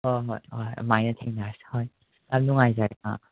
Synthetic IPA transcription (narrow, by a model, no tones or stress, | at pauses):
ɔɦɔjɔj̰majnɐtʰeŋnashɔj | anuŋajzaka̰